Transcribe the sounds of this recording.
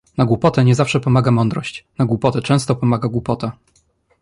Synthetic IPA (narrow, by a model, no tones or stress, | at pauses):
naɡwupɔt̪ɛɲɛzafʂɛpɔmaɡamɔnd̪ɾɔɕt͡ɕnaɡwupɔt̪ɛt͡ʂɛ̃w̃st̪ɔpɔmaɡaɡwupɔt̪a